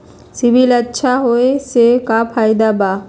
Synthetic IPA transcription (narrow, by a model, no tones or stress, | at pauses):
sɪbilɐtːʃʰaɦoesekapʰaːɪd̪abaː